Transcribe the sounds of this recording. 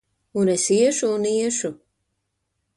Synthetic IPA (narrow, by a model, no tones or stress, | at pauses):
unesiɛʃuːniɛʃu